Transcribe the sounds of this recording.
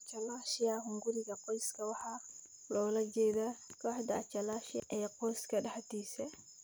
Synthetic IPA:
t͡ʃalaʃijahuŋɡuɾiɡakojskawaha | lɔlaɡedakaħdaːt͡ʃalaʃiaʔɛkoskaɗahatiːsɛ

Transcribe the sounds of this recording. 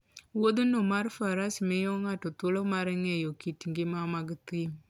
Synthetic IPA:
wod̪unomaɾfaɾasmɪjɔŋatɔt̪ʊlɔmaɾɛŋɛjokitŋɡɪmamaɡt̪im

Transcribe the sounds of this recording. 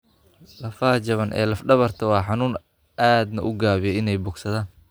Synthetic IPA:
lɐfaːt͡ʃɐβɐnʔɛ̰ːlɐfɖɐβɐrt̪ʰɐwɑːħɑnuːn | aːd̪nɐʔʊɡaːβɪjɛɪnɛjbʊːɡsɐðaːn

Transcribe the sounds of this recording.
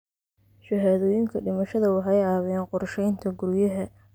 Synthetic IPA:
ʃɐɦaðɔːjɪŋkʰɐɖɪmɐʃɐðɐwɑħɑjɑːβɪjaːnqʊrʃɛjnt̪ʰɐɡʊɾjɐɦɐ

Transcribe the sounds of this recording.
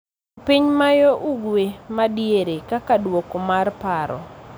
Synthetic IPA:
piɲmajoʔuɡwemadjeɾekakadwokɔmarpaɾɔ̰

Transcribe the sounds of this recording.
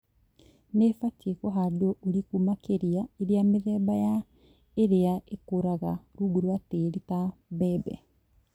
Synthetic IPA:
nefatekɔɦadɔʔoɾikumakeɾiaeɾeameðɛːbaja | eɾeaʔekoɾaɣaɾuɡuɾwateɾitabɛbɛ̰

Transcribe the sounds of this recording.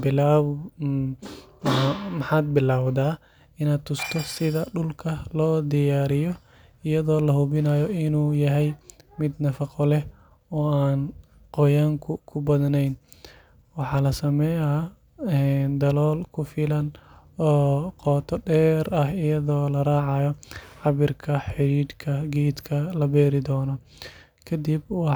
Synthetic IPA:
bɪlaː | mɐħɑːd̪̚bɪlaːwd̪aː | ɪnaːd̪̚t̪ʰʊst̪ʰɔsɪðɐɖʊlkʰɐlɔːd̪ɪjaːɾɪjɔ | ɪjɐðɔːlɐhʊβɪnaːjɔɪnuːjɐɦɛjmɪd̪nɐfɑqɔlɛh | ɔːaːn | qɔjaːŋkʰʊkʰʊbɐðnɛjn | wɑħɑːlɐsɐmɛja | ɛːnd̪ɐlɔːlkʰʊfɪlɐn | ɔːqɔːt̪ʰɔɖɛːɾɐhɪjɐðɔːlɐraːʕɑjɔħɑβɪrkʰɐħɪɾiːd̪kʰɐɡiːd̪kʰɐlɐbɛːɾɪd̪ɔːnɔ | kʰɐd̪ibwɑ

